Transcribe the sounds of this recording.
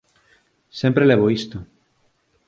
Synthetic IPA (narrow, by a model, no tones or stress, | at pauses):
sempɾeleβoist̪o